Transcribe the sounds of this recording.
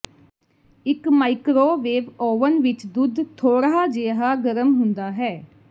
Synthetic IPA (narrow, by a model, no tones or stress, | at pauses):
ɪkmaːikɾoːʋeːʋoːʋənʋɪt͡ʃd̪ʊd̪t̪ʰoːɾaaːd͡ʒeːɦaːɡəɾəmɦʊnd̪aːɦɛː